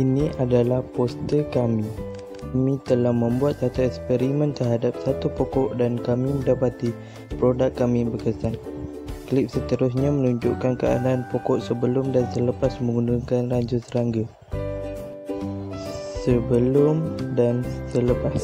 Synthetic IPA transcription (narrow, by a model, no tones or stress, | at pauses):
ʔinĩʔadalahpɔst̪əkamĩ | kamĩt̪əlahmə̃mbuat̪̚sat̪aɛkspɛɾimə̃nt̪ərɦadap̚sat̪upokɔʔdankamĩmə̃ndapat̪i | pɾodakːamĩbəkəsan | klip̚sət̪əɾʊs̬ɲãmə̃nuɲd͡ʒuʔkankəa̰daːnpokɔʔsəbəlʊmdansələpasmə̃ŋɡunduŋkanraɲd͡ʒusəɾaŋɡa | səbəlʊmdansələpas